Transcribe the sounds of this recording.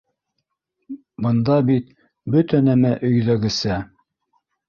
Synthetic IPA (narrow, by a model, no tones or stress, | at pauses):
bɤ̆nd̪ɑbit̪ | bɵt̪ænæmæʔɵ̆jðæɡɘ̆sæ